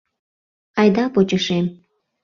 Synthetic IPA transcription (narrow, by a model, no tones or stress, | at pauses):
ɑjd̪ɑpot͡ɕəʃem